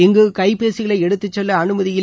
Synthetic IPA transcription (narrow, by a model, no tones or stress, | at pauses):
ɛŋɡɯkɐɪpeːsɪɣɐɭɐɪɛɽɯt̪ːɯt͡ʃːɔlːɐɐnɯmɐðɪjɪl